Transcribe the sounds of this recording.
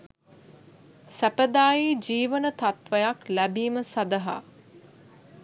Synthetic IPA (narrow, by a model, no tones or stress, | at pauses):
sæpəd̪aːjid͡ʒiːʋənət̪at̪ʋəjaklæbiːməsad̪əɦa̰ː